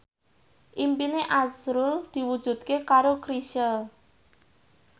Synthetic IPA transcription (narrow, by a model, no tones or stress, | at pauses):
ʔimpineʔasɾuld̪̥i̤wud̥ʒ̥ṳt̪̚kekaɾokɾiʃəl